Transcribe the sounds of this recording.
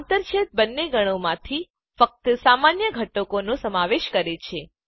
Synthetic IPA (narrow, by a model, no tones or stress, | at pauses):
nt̪əɾt͡ʃʰet̪̚bənːeɡəɽ̃omãt̪ʰi | fək̚t̪samanjəɡʱəʈːokonõsəmaʋeʃkəɾet͡ʃʰe